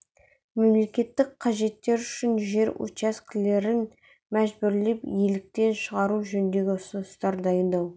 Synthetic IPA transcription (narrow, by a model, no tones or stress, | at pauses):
me̞mle̞kʲe̞t̪ːɪk̚qʰɑʒe̞t̪ːe̞ɾʏʃɪnʒe̞ɾo̰t͡ʃaskʲɪle̞ɾɪn | mæʒbʏɾle̞pjelɪk̚t̪e̞nʃəʁɑɾuʒɵnd̪e̞ɡʲɪʊsʊnəst̪ɑɾd̪ɑjənd̪ɑw